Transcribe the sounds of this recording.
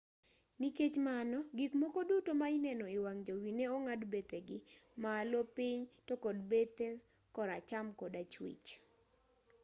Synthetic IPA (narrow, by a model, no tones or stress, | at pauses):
niket͡ʃmanɔɡikmɔkodutomaɪnɛnɔɪwaŋd͡ʒowineoŋadbet̪eɡɪmaːlopɪɲtokodbet̪e | kɔɾat͡ʃamkɔdat͡ʃwḭt͡ʃ